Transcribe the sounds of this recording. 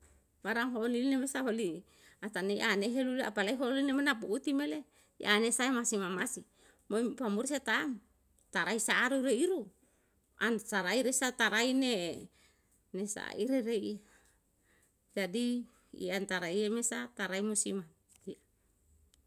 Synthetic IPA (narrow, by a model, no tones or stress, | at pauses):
waɾaŋɦonilinemesaɦoli | at̪aneiʔaneɦelulaʔa̰palaiɦolinemenapuʔːt̪imele | iʔanesaemasimamasi | mopamuɾsat̪aŋ | t̪aɾaisaːɾuɾeiɾu | ansaɾaiɾesat̪aɾaine | nesa̰ʔiɾeɾeia | d͡ʒadi | ḭant̪aɾaiemesat̪aɾaimosima | ia